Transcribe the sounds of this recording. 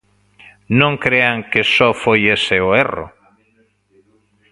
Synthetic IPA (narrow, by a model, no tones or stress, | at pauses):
nõŋkɾeaŋkesɔfojeseoerʊ̰